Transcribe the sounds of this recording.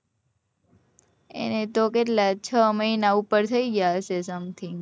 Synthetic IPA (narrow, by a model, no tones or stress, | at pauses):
ḛnet̪okeʈlat͡ʃʰəməinaupəɾt̪ʰəiɡjaət͡ʃesəmt̪ʰi